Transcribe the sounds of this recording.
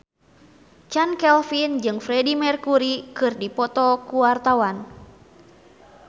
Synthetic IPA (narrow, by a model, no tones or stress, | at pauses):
t͡ʃankɛlfind͡ʒɨŋfɾɛdimɛrkuɾikɨrdipɔt̪ɔkuwart̪awan